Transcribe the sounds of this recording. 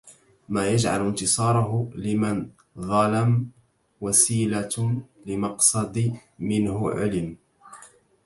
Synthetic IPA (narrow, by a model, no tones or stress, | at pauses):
maːjad͡ʒʕa̰lʊnt̪ɨsˤɑːɾˤɑɦʊlɪman | ðˤɑlam | wasiːlalɪmɑqsˤɑd̪mɪnhʊʕʊ̰lɪm